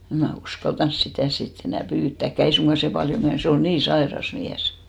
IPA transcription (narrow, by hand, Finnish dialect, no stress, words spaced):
em mæ uskɑltɑns sitæˑ sit enæˑ pyːtːæˑkːæˑ ei suŋɡ̊ɑ se pɑljo myæs se ol niː sɑerɑs miæs